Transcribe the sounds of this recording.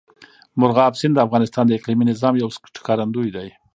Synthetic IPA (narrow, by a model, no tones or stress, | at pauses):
mʊɾɣɑbsɪnd̪əafɣɑnɪst̪ɑnd̪əɪqliminɪzɑmjawsʈkɑɾand̪ujd̪aj